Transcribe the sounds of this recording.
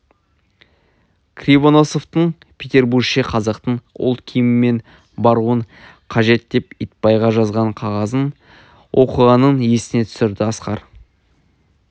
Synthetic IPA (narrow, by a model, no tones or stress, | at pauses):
kʰrʲijbo̞noso̞ft̪əɴ | pʲʰet̪ʲe̞rbuɾɡʃeqʰɑzɑqt̪əɴʊ̰lˠt̪kʲʰijmɪme̞n | bɑɾuəɴ | qʰɑʒe̞t̪̚d̪e̞pijt̪̚pɑjʁɑʒɑzʁɑɴqʰɑʁɑzən | wʔo̞̰qəʁɑnːəɴje̞sɪne̞t̪ʰʏ̥sɪɾd̪ɪɑsqɑ̰ɾ